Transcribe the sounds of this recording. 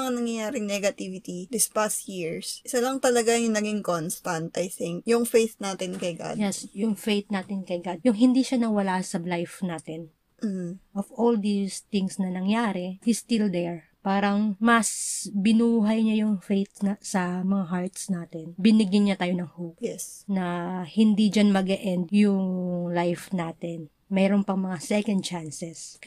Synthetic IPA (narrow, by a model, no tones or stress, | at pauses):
ɐŋanɐŋjɐjaːɾɪŋnɛɡɐt̪ivɪt̪id̪ɪspast̪jiɹsʔɪsɐlɐŋt̪ɐlɐɡajʊŋnɐɡɪŋkonst̪ɐ̃nt̪ʔɐjθɪŋk̚jʊŋfejθnaːt̪ɪnkɐjɡa̰d̪jɛsjʊŋfejt̪̚naːt̪ɪnkɐjɡad̪̚jʊŋɦɪ̃nd̪iʃanɐwɐlasɐblajfnaːt̪ɪn | m̩h̩ʔɔfold̪ist̪ɪŋsnɐnɐŋjaːɾɛhist̪ɪld̪ɛɹ | paːɾɐŋmɐsbɪnuːɦɐjɲajʊŋfejt̪̚nɐsɐmɐŋaɦaɹt̪snaːt̪ɛnbɪnɪɡjɪnɲɐt̪aːjonɐŋhowpɛsnɐhɪnd̪id͡ʒanmɐɡɛʔɛnd̪̚jʊŋlajfnaːt̪ɛn | mɛːɾonpɐŋmɐŋasɛkɐnd̪̚t͡ʃansɛs